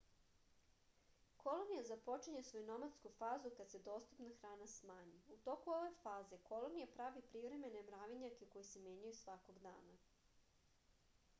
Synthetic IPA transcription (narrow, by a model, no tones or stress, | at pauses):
ko̞lˠonijazapo̞t͡ʂiɲe̞sʋo̞junomat̪skufaːzukad̪sed̪o̞ːst̪upnaxɾaːnasmaːɲiut̪o̞kuo̞ʋe̞faːze̞ko̞lˠonijapɾaʋipɾiʋɾe̞me̞nemɾaːʋiɲakeko̞jise̞mje̞ːɲujusʋako̞ɡd̪a̰ːna